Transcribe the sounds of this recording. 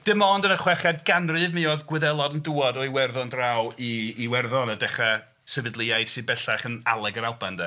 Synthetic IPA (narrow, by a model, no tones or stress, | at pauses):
d̥ɪmɔndənəχwɛχadɡanrɨvmɨɔðɡwɪðɛlˠɔdənduːɔdɔjwɛrðɔndrawiːwɛrðɔnədɛχa | səvɨdlˠɪajð̥sɨbɛɬaχəna̰lˠɛɡəɾalˠbandɛ